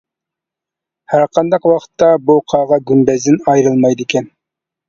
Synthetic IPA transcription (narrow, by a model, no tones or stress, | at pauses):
hæɾqʰɑnd̪ɑqwɑqʰə̥t̪ʰːɑbuqʰɑːʁɑɡʲynbɛzd̪ɪnɑjɾɨlˠmɑjd̪ɪkʲʰɛn